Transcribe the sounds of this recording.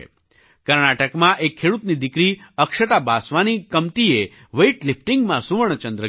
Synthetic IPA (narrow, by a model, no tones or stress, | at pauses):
kəɾnaʈəkmãʔekʰːeɽut̪nid̪ɪkɾiəkʃət̪abasʋanikəmt̪ie | ʋeiʈlɪpʰʈĩŋɡmãsuʋəɳ̃t͡ʃə̃nd̪ɾə